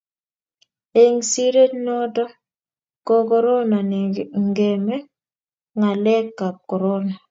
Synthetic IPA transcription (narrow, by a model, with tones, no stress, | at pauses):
e˨ŋsi˦ɾe˦nɔ˦dɔ˦ | kɔ˦ɡɔ˨ɾɔ˦na˨n˨ŋɡɛ˨mɛ˦ | ŋa˨lɛ˦kːa˨kːɔ˨ɾɔ˦na˨